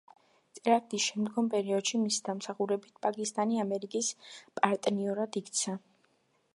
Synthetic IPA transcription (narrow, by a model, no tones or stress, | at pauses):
t̪sʼɛɾak̚d̪isʃɛmd̪ɡɔmpʼɛɾiɔd̪̥ʃimisid̪̥amsaχuɾɛbit̪̚ʰpʼakʼist̪ʼaniamɛɾikʼispʼaɾt̪ʼniɔɾad̪ikʰt̪sʰa